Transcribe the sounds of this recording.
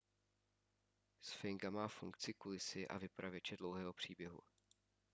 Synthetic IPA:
sfɪŋɡamaːfuŋkt͡sɪkulɪsɪʔa̰vɪpɾʔavjɛt͡ʃɛdlowɦɛːɦo̞pr̝̥iːbjɛɦṵ

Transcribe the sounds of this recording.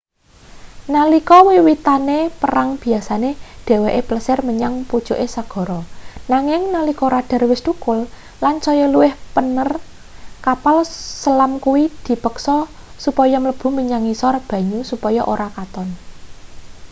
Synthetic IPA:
nalikɔwiwit̪anepəɾaŋb̥i̤asaneɖ̪̥e̤weʔepləsɪrməɲaŋpud̥ʒ̥o̤ʔesaɡ̥ɔ̤ɾɔnaŋɪŋnalikɔɾaɖ̥a̤rwɪst̪ukʊl | lant͡ʃɔjɔluwɪhpənər | kapalsəlamkuwid̪̥i̤pəksɔ | supɔjɔmələb̥ṳməɲaŋisɔrb̥ä̤ɲusupɔjɔʔoɾakat̪ɔn

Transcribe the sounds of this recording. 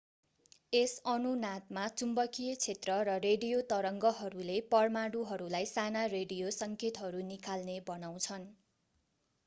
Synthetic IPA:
esʌnunat̪̚mat͡sumbʌkʰijʌt͡sʰet̪rʌɾʌreɖijot̪ʌɾʌŋɡʌɦʌɾulepʌrmaɽuɦʌɾulajsanareɖijosʌŋkʰet̪ɦʌɾunikʰalnebʌnaw̃t͡sʰʌn

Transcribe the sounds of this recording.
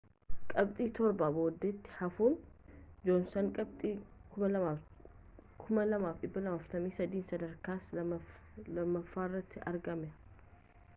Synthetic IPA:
kʼɐbt̪ʼiːt̪ɔɾbaːbo̞ːd̪ːɛt̪ːɪ̥hɐfuːnd͡ʒoːnsɐŋkʼɐbt̪ʼiːkʊmɐlɐ | kʰʊmɐlɐmaːfɗɪbːɐlɐmaːft̪ɐmiːsɐd̪iːnsɐd̪ɐɾkaːs | lɐmːɐfːaːɪrːɐt̪ʰːɪʔɐɾɡɐmɛ

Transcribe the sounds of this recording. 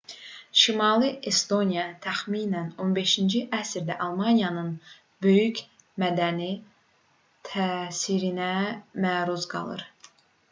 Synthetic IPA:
ʃimɑlˠiʔest̪o̞nijɑt̪ʰæxmiːnæno̞nbe̞ʃind͡ʒiʔæsɾd̪æ̰ʔɑlˠmɑnjɑnɯn | bø̞jyc | mæd̪æni | t̪ʰæːsiɾinæmæːɾuzɡɑ̰lˠɯ̰ɾ

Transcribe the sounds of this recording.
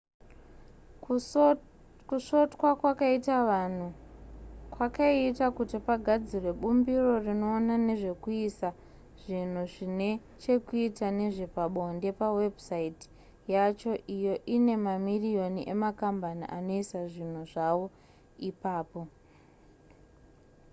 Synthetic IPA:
kuʂo̞tkwakwakaitaʋan̤u | kwakaiːtakutipaɡʱad͡zirwe̞ɓumbiro̞rino̞ːnane̞ʐe̞kuisa | ʐ̥in̤uʐine | t͡ʃe̞kuitane̞ʐepaɓo̞nde̞pawe̞bʱusaiti̥ | jat͡ʃo̞ʔijo̞ʔine̞mamirijo̞niʔe̞makambaniʔano̞isaʐin̤uʐaʋo̞ | ipaːpo̞

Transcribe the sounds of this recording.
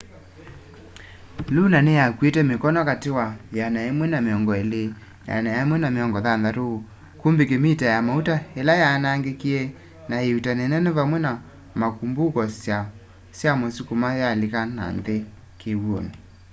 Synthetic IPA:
lunanejakwetɛmekɔnɔkatewajanaemwɛnameɔŋɡɔele | naja̰najaemwɛnameɔŋɡɔðanðaɾo | kumbekemitajamautaelajanaːŋɡekiɛ | naeutanɛnɛnɛvamwɛna | makumbukɔsja | sjamosukumajalekana̰nðe | kewwoni

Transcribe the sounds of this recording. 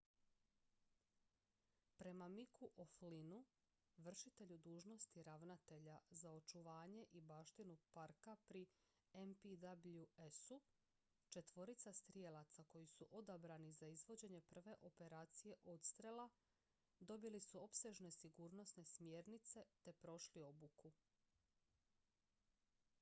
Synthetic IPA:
pɾe̞mamikʰuʔoflinu | ʋr̩ʃit̪e̞ʎud̪uːʒno̞st̪iɾaʋnat̪e̞ʎazao̞t͡ʃuʋaːɲe̞ʔibaːʃt̪inupaɾkapɾi | empid̪abʎuesu | t͡ʃe̞t̪ʋo̞ɾit̪sast̪ɾije̞lˠat̪sako̞jisuʔo̞d̪abɾanizaizʋo̞d͡ʑe̞ɲe̞pr̩ʋe̞ʔo̞pe̞ɾaːt̪sije̞ʔo̞t̪st̪ɾe̞la | d̪o̞bilisuo̞pse̞ʒne̞siɡuːɾno̞sne̞smje̞ːɾnit̪se̞t̪e̞pɾo̞ʃlio̞buku

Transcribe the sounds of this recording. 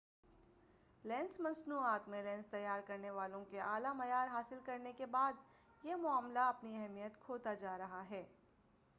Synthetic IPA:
lɛ̃ːnsmɐ̃nsnuːaːt̪mẽlɛ̃ːnst̪ɐjːaːɾkɐɾneʋaːlõkeʔaːlamɐjaːɾɦaːsɪlkɐɾnekebaːd̪ | jemʊaːmlaɐpniɛɦmijət̪kʰoːt̪ad͡ʒaːɾɐɦaɦɛː

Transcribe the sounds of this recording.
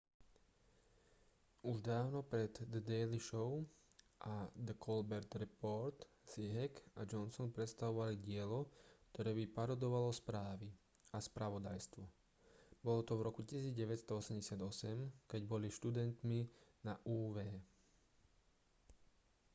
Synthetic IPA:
uʒd̪aːʊnɔpɾɛd̪d̪ɛːliʃɔʊ | ʔad̪əkʰɔlbɛɾt̪ɾɛpɔɾt̪ | siɦɛkad͡ʒɔnsɔnpɾɛt̪st̪aʋɔʋaliɟɪɛlɔkt̪ɔɾɛːbipaɾɔd̪ɔʋalɔspɾaːʋi | aspɾaʋɔd̪ajst̪ʋɔ | bɔlɔt̪ɔvɾɔkucisiːd͡zɟɛʋɛtst̪ɔɔsɛmɟɛsad̪ɔsɛmkɛɟbɔliʃt̪ud̪ɛnt̪minaʔuːʋɛː

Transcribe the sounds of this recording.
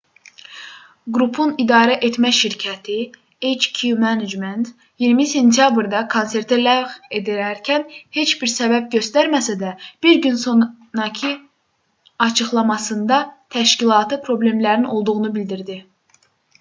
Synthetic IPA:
ɡɾupʰunid̪ɑːɾæʔe̞t̪mæʃiɾcʰæt̪ʰi | et͡ʃkʰumæned͡ʒment̪ | jiɾmise̞nt̪ʰijɑbɾd̪ɑkʰonse̞ɾt̪ʰilæve̞d̪æɾæɾcʰænhe̞t͡ʃbiɾsæbæbɟø̞st̪æɾmæsæd̪æb̥iɾɟynso̞n | ɾɑcʰi | ɑt͡ʃʰɯχlˠɑmɑsɯnd̪ɑt̪ʰæʃcilˠɑːt̪ʰɯpʰɾo̞ble̞mlæɾinʔo̞lˠd̪uɣunubild̪iɾd̪i

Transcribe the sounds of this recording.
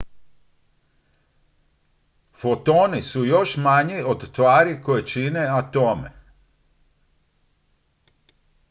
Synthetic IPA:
fo̞t̪o̞nisujo̞ʃmaɲio̞d̪t̪ʋaːɾikojet͡ʃineat̪o̞mḛ

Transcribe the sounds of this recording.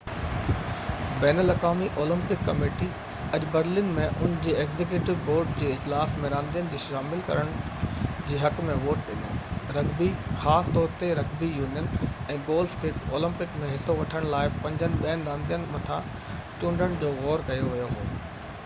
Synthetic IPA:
bɛːnəlɐkaːmiʔoːlɪ̃mpɪkːɐmeːʈi | ɐʄbɐɾlɪnmẽʔʊnd͡ʑiːeːɡzek̬juːʈɪʋboːɾɖd͡ʑeːɪd͡ʑlaːsmẽɾãːnd̪ijənɪ̆d͡ʑiːʃaːmɪlkɐ̰ɾəɽ̃d͡ʑiːɦɐkmẽʋoːʈ̚ɗɪnoɾɐɡbixaːsɪ̥t̪ɔːɾt̪eɾɐɡbijuːnijənɛ̃ːɡoːlfkʰeːkoːlɪ̃mpɪkmẽɦɪsoʋɐʈʰəɽ̃laːɪpɐ̃ɲd͡ʑənɪ̆ɓɐənɪ̆ɾãːnd̪ijənɪ̆mɐt̪ʰã | t͡ɕũːɳɖʱəɽ̃d͡ʑoːɣɔːɾkɐjoʋijoɦo̰ː

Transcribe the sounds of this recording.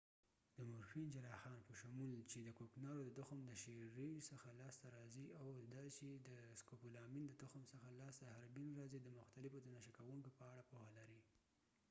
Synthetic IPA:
d̪əmʊɾfind͡ʒaɾɑxɑnpəʃamult͡ʃed̪əkoknɑɾod̪əd̪ʊxmd̪əʃeɾisəxalɑst̪aɾɑziawd̪ɑt͡ʃed̪əskopulɑmind̪əd̪ʊxmsəxalɑst̪ahaɾbinɾɑzid̪əmʊxt̪alɪfod̪ənaʃakawuŋkopəaɽapohalaɾi

